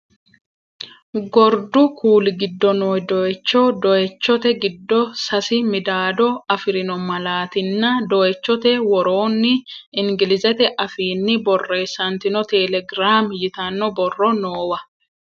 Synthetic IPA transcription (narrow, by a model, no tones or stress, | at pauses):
ɡɔɾd̪ʊkʰuːlɪɡɪd̪ːɔnoːjd̪ɔɛt͡ʃːɔd̪ɔʔɛt͡ʃːɔt̪ɛɡɪd̪ːɔsɐsɪmɪd̪aːd̪ɔɐfɪɾɪnɔmɐlaːt̪ɪnːɐd̪ɔɛt͡ʃːɔt̪ɛwɔɾo̞ːnːɪɪŋɡɪlɪzɛt̪ɛʔɐfiːnːɪbɔrːe̞ːsːɐnt̪ɪnɔt̪ɛlɛɡɾaːmjɪt̪ɐnːɔbɔrːɔnoːwɐ